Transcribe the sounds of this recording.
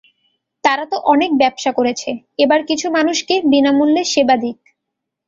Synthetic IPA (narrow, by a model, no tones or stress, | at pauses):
t̪aɾat̪oʔɔnek̚bɛbʃakoɾet͡ɕʰe | ebaɾkit͡ɕʰumanuʃkebinamulːeʃebad̪ʱik̚